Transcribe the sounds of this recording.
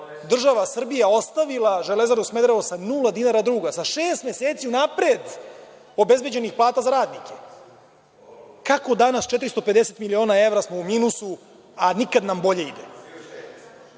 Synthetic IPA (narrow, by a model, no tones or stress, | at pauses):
d̪r̩ʒaʋasr̩bijao̞st̪aʋilˠaʒelezaɾusme̞d̪ɾaʋosanulˠad̪inaɾad̪ɾuːɡasaʃeːst̪me̞seːt̪siunapɾed̪ | o̞be̞zbe̞d͡ʑe̞nixplˠaːt̪azaɾaːd̪nike | kako̞d̪anast͡ʃet̪ɾist̪o̞pe̞d̪eset̪milio̞ːnae̞vɾasmo̞umiːnusu | anikad̪nambo̞ʎe̞id̪e